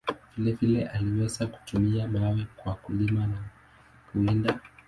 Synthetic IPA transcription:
v̥ilɛvilɛʔaliwɛzaku̥tumiaɓawɛkwakulimana | kuɛnda

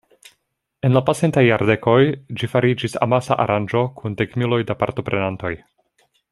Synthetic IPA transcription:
e̞nlapase̞ntajːaɾde̞ko̞jd͡ʒifaɾid͡ʒisa̰masa̰ʔa̰ɾʔand͡ʒo̞kʰundekmilo̞jdapa̰ɾto̞pɾe̞nanto̞j

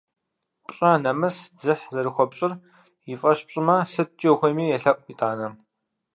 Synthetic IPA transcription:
pʼɕʼɐnɐmɨsd͡zɨħzɐɾɨxʷɔpɕʼɪr | jifʼɐɕpɕʼɪmɐsɨt̚t͡ʃʼːwxʷɔjmiːjɛɬɐʔʷʼitʼaːnɐ

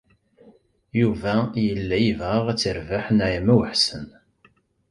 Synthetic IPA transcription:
juvæjəlːæjivʁaʁæt͡sːəɾvaħnajæmæwəħsən

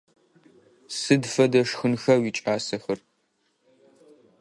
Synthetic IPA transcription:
sɨdfɐdɐʂxɨnxɐwiːt͡ʃʼaːsɐxɨr

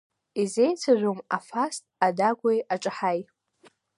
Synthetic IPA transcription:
ize̞jt͡sʷʰaʒʷᶣoma̰fastʼadaɡʷajʔaʈ͡ʂʼaħaj

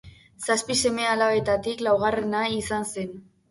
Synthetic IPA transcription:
saspise̞me̞alaβe̞t̪at̪iklawɣare̞naisanse̞n

